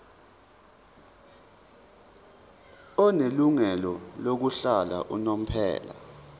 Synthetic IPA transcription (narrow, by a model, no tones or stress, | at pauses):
ɔneluŋɛlɔlok̬uɬala̰ʔṵnom̩pʰɛ̰ːla̰